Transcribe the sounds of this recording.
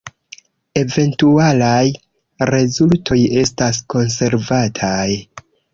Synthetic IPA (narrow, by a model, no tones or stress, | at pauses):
e̞ve̞ntualaj | ɾe̞zultʰo̞je̞stasko̞nse̞ɾvatʰaj